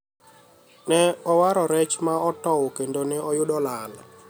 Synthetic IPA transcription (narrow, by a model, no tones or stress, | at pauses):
nɛɔwaɾɔɾɛt͡ʃmaɔtɔwkendonɛɔjʊɗɔlal